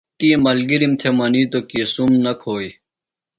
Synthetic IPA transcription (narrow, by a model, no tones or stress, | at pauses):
t̪imɐlɡiɾimt̪ʰemɐniːt̪okisumnɐkʰoːj